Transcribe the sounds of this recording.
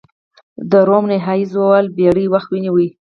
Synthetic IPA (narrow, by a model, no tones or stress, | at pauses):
d̪əɾomnɪɦɑjizowalbeɽiwaxt̪winiwi